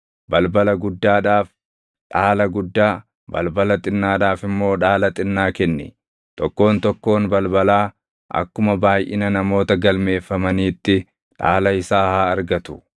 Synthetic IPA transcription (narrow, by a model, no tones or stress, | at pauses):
bɐlbɐlɐɡʊd̪ːaːᶑaːf | ᶑaːlɐɡʊd̪ːaː | bɐ̰lbɐlɐt̪ʼɪnːaːᶑaːfɪmːo̞ːᶑaːlɐt̪ʼɪnːaːkɛnːɪ̰ | t̪ɔkːo̞ːnt̪ɔkːo̞ːnbɐlbɐlaː | ʔɐ̰kːʊmɐbaːjʔɪ̰nɐnɐmo̞ːt̪ɐɡɐlme̞ːfːɐmɐniːt̪ːɪ | ᶑa̰ːlɐɪsaːhaːɐɾɡɐt̪ʊ̥